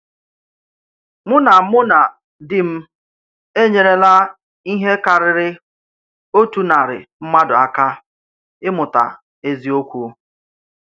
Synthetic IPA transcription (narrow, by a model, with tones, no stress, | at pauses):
mʊ˦na˨˦mʊ˦na˨ | dɪ˨m̩˦ | e˦ɲe˨ɾe˦la˦ | i˦ɦe˦ka˨ɾɪ˨ɾɪ˦ | o˦tu˨˦na˨ɾɪ̰˨m̩˦ma˦dʊ˨a˦ka˦ | ɪ˦mʊ˨ta̰˨ | e˦zi˦o˦kʷu˦